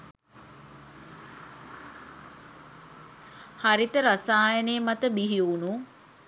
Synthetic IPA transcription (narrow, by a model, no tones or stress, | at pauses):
haɾit̪əɾasaːjəneːmat̪əbiɦiunu